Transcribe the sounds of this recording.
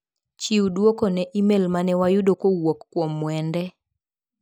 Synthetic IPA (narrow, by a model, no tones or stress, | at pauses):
t͡ʃiwdwokonɛʔimelmanɛwajʊdokowokkːwomːwɛndɛ